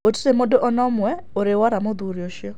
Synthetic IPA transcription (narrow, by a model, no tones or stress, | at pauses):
oti̥ɾemodoʔɔnɔmwɛ | oɾewaɾamod̪uɾjoʃjɔ